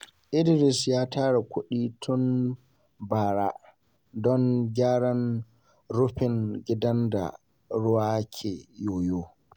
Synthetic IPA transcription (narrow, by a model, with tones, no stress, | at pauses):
ʔɪ˦dɾɪ˨sjaː˦taː˦ɽa˨kʷʊ˦ɗiː˦tʰʊ˦n | baː˨ɾa˦ | dɔ˦ŋɡʲaː˦ɽɐ˦n | ɾʊ˦ɸɪ˨ŋɡʲɪ˦dɐ˦nda̰˨ | ɽʊ˦waː˦kʲʰeː˨joː˨joː˦